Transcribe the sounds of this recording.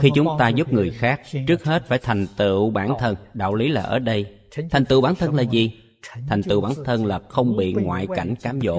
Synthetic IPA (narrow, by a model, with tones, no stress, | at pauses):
xi˧t͡ɕʊ˨˦ŋ͡mt̪aː˧zu˦˥p̚ŋɨ˨˩əjxaː˦˥k̚t͡ɕɨ˦˥ək̚he˦˥t̚faː˧˩jt̪ʰa˨˩jŋ̟t̪ɨ̰˧˨ɓaː˧˩nt̪ʰə˧nɗa̰ː˧˨wli˨˦laː˨˩ʔəː˧˩ɗə˧j | t̪ʰa˨˩jŋ̟t̪ɨ̰˧˨wɓaː˧˥nt̪ʰə˧nlaː˨˩zi˨˩ | t̪ʰa˨˩jŋ̟t̪ɨ̰˧˨wɓaː˧˦nt̪ʰə˧nlaː˨˩xə˧wŋ͡mɓḭ˧˨ŋwa̰ː˧˨jka˧˩jŋ̟kaː˨˦mzo̰˧˨